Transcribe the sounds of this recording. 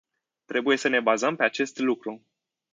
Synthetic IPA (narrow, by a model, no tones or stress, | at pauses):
t̪ɾe̞buje̞səne̞bazəmpe̞at͡ʃe̞st̪lukɾu